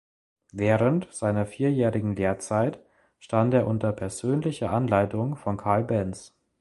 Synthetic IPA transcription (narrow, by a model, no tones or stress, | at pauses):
vɛːʁəntz̥aɪnɐfiːɐjɛːʁɪɡŋ̩leːɐt͡saɪt | ʃtanteːɐʔʊntɐpʰɛɐzøːnlɪçɐʔanlaɪtʊŋfɔnkʰaɐlbɛns